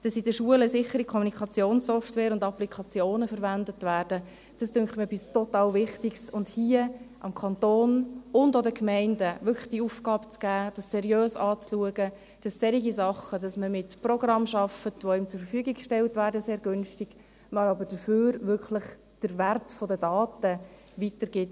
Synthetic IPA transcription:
d̥ɑsɪdəʃuələsɪχəɾikʰɔmunikʰɑt͡sjoːnsːɔftvɛːɾʊndɑplikʰɑt͡sjoːnəfəɾʋændətʋæːrd̥ə | d̥ɑstʏŋktməɛpɪstɔtɑːlvɪχtɪɡsʊndhiəʔɑmkʰɑntoːnʊndodəkmɛɪndəʋʏkʰlə̥χd̥iəuːfɡ̥ɑːbt͡sɡ̥æːd̥ɑsːɛɾjøːsɑːt͡sluəɡə | d̥ɑssɛɾiɡisɑχəd̥ɑsməmɪtprɔɡrɑmʃɑfətʋoɪmt͡sʊɾfəɾfyəɡikkʃtɛltʋæːɾdəseːɾɡʏnʃtɪɡ̥ | mɑɾɑbəɾd̥əføːɾʋʏɾkʰləχ | d̥əɾværtfɔdədɑːtə | ʋitəɾɡ̥ɪt

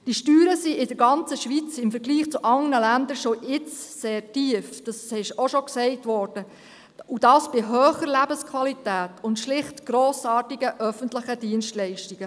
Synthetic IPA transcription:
d̥iʃtyːɾəsiʔɪdəɾɡɑnt͡səʃʋit͡sɪmfəɾɡliːχt͡suʔɑŋnəlændəɾʃɔʔɪt͡sːeːrtiəfd̥ɑsɪʃoʃɔksɛɪtʋɔːɾd̥ə | udɑːsb̥ɪɦøːχəɾlæbəskʰʋɑlitæːtʊntʃlɪχtɡ̥ɾoːsɑːtiɡəʔœfəntləχəd̥iənʃtlɛɪʃtiɡ̥ə

